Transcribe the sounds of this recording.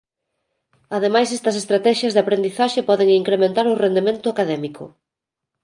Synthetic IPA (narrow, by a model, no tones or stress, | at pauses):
aðemajsɛst̪ɐsest̪ɾat̪ɛʃɐzðapɾend̪iθaʃepɔðeŋiŋkɾemẽnt̪aɾʊrend̪emẽnt̪ʊakaðɛmikʰʊ̰